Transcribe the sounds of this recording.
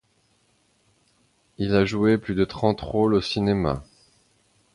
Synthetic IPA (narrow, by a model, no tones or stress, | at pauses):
ilaʒueplyd̪ət̪χɑ̃t̪ʁolosinema̰